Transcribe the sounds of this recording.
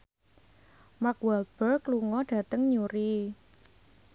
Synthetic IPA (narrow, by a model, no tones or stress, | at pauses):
makwɛlt̪̚b̥ərɡluŋɔɖ̥ä̤t̪əŋɲuɾi